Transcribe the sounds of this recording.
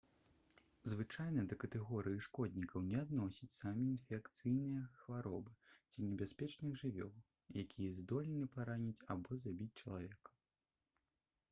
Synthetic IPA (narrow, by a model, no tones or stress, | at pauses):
zvɨt͡ʂajn̪ɐd̪ɐkɐt̪ɛɣɔɾɨjiʂkɔd̪ʲnʲikɐwnʲɛad̪nɔsʲit͡sʲsamʲiːnfʲɛkt̪sɨjnɨjɐxvaɾɔbɨt͡sʲinʲɛbʲaspʲɛt͡ʂnɨɣʐɨvʲɔlˠ | jakʲʰijɐzd̪ɔlʲɛnɨpaɾanʲit͡sʲabɔzabʲit͡sʲt͡ʂɐlˠavʲɛkɐ̥